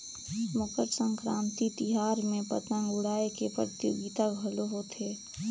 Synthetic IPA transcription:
mʊkəɾsə̃ŋkɾaːmt̪it̪ɪɦaːɾmẽpət̪ənɡʊɽaːekepɾə̰t̪joːɡit̪abʱɐloɦot̪ʰeː

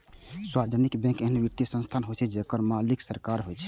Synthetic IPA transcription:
swaɾd͡ʒənikbɛ̃keɦnʋiɾt̪isə̃nst̪ʰanɦot͡ʃʰɛd͡ʒekəɾmaliksəɾkaɾɦojt͡ʃʰɛ̥

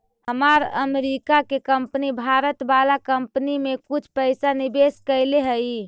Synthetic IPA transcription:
həmaɾə̰meɾikakekəmpnibʱaɾət̪balakəmpnimekut͡ʃʰpəɪsanibeskəɪleɦəi

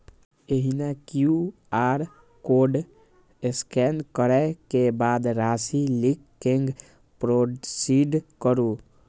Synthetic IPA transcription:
eɦinakju | aɾ | koɖ | eskɛnkəɾɛkebad̪ɾasilikːeŋɡ | pɾosiɖkəɾu

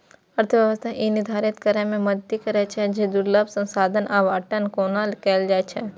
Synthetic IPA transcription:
ɐɾt̪ʰəʋjɐʋəst̪ʰaʔinɪd̪ʱaːɾɪt̪kəɾəmẽmɐd̪t̪ikɐɾɛt͡ʃʰɛd͡ʒeːd̪ʊɾləbsə̃nsaːd̪ʱənʔaʋaːʈənkoːnaːlkeːld͡ʒaːet͡ʃʰɛ

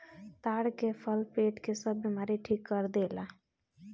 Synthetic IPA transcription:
t̪aɽkepʰəlpeʈkesəbːimaɾiʈʰikːəɾd̪ela

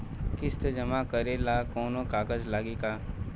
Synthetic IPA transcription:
kɪst̪d͡ʒɐmakəɾelakoːnõkaːkəd͡ʒlaːɡika

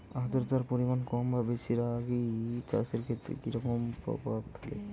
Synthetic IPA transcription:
aɦt̪ɔɾt̪aɾpɔɾimankɔmbʱabesʰiɾaɡit͡ʃa̰seɾkʰet̪ɾḛkiɾɔkɔmpɾɔ̰bab̚k̪ʰalḛ

